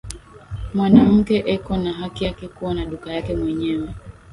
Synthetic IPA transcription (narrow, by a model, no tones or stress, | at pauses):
mwanam̩kɛʔɛkɔnaɦakijakɛkuwanaɗukajakɛmwɛɲɛwɛ